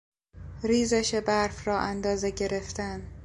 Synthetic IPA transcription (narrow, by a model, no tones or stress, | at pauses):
ɾiːzeʃebæɾfrɒːʔænd̪ɒːzeɟe̞ɾe̞ft̪æn